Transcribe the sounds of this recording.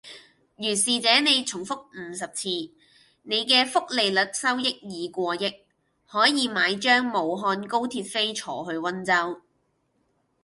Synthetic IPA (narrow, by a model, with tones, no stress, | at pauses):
jyː˨˩nsiː˨t͡sɛː˨˥ne˨˧jt͡sʰʊ˨˩ŋfʊ˥k̚m̩ː˨˩sɐ˨p̚t͡sʰiː˧ | ne˨˧jkɛː˧fʊ˥k̚le˨jlɵ˨˥t̚sɐ˥wjɪ˥k̚jiː˨˧kʷɔː˧jɪ˥k̚ | hɔː˨˥jiː˨˧maː˨˥jt͡ʃœː˥ŋmo˨˩wɦɔː˧nko˥wt̪ʰiː˧t̚fe˥jt͡ʃʰɔ̰ː˨˩ɦɵ˧ɥwɐ˥nt͡sɐ˥w